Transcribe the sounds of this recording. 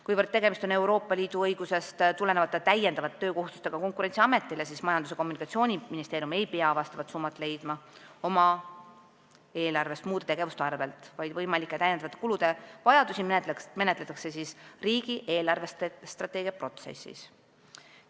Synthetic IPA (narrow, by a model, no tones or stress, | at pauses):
kujvərdt̪ːe̞ɡ̥e̞mist̪o̞ne̞wɾo̞ːpːˑɑliːd̪̥uɤjɡ̥use̞st̪t̪ule̞nevɑt̪ːˑet̪æje̞nd̪ɑvɑt̪ːt̪ːøːko̞hust̪ust̪e̞ɡ̥ɑko̞ŋkuɾe̞nt̪siɑme̞t̪ːˑilesismɑjɑnd̪use̞ko̞mːunʲikɑt̪sio̞ːnʲiminist̪eːɾijume̞jpeɑvɑst̪ɑvɑt̪sumːɑt̪ːˑle̞jd̪̥mɑo̞mɑ | eːlɑrve̞st̪muːd̪et̪e̞ɡ̥e̞vust̪eɑrve̞lt̪ˑvɑjd̪̥vɤjmɑlikːˑet̪æjend̪ɑvɑt̪ːˑekulud̪̥e̞vɑjɑd̪usime̞net̪let̪ːˑɑkse̞sisriːɡ̥iʔe̞ːlɑrve̞st̪est̪rɑt̪ːˑe̞ːɡijɑpro̞t̪sḛsḭs